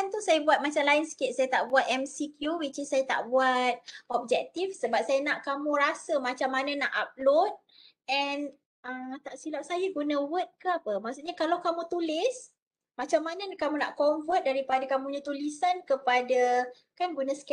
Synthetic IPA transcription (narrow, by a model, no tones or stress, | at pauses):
kant̪usajabuat̪̚mat͡ʃamlaɪnsə̥kɪt̪̚sajat̪aʔbuat̪̚ɛmsikjuwit͡ʃisːajat̪a̰ʔbuat̪̚ɔp̚d͡ʒɛk̚t̪ifsəbap̚sajanaʔkamũɾasəmat͡ʃamːanənaʔap̚lot̪̚ | ɛn | əmt̪aʔsilap̚sajaɡunə̃wət̪̚kəapəmaʔsuʔɲakalawkamũt̪ulɪs | mat͡ʃamːanəkamũna̰ʔkɔɱfət̪̚daɾipadakamũɲãt̪ulisankəpada | kanɡunãsə̥kɛ